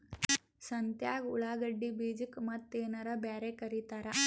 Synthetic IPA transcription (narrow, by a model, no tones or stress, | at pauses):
sɐnt̪jaːɡuɭaːɡɐɖːibiːd͡ʒikmɐt̪ːeːnɐɾɐbaːɾekɐɾit̪aːɾɐ